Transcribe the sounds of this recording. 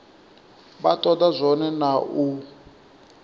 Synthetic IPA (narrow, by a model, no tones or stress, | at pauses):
batɔdazʷɔnɛnaʔu